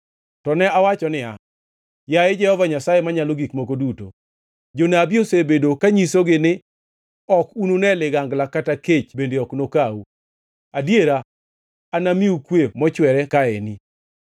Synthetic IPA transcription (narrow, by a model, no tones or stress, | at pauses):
tɔnɛawat͡ʃɔnɪa̰ | jaɪd͡ʒɛhɔvaɲasajemaɲaloɡikmokoduto̰ | d͡ʒonabiosebedokaɲisoɡɪnɪ | ɔkunonɛlɪɡaŋɡlakataket͡ʃbendeɔknokau | adjeɾaː | namiukwemɔt͡ʃwɛɾɛkaḛni